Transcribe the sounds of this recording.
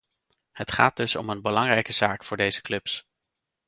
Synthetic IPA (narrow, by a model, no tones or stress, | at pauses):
hətχa̰ːd̚d̥ɵsɔ̰mənbəlɑŋrɛjkəz̥aːkfʊːɹdejzəklɵps